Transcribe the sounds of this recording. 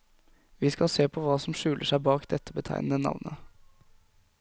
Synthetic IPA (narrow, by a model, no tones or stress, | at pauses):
ʋiːskɑseːpʰɔʋɑːsɔmʂʉːlʔəʂæɪbɑːkd̪ɛt̪ʰːəbət̪ʰæ̰ɪnnənɑ̰ʋnʔə